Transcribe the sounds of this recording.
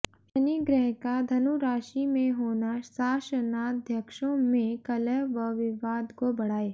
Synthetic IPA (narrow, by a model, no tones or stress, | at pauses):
ɐniɡɾɛɦkad̪ʱɐnuɾaːʃimẽɦoːnasaːʃənad̪ʱjəkʃõmẽkɐləʋɐʋɪʋaːd̪kobɐɽ̤aːeː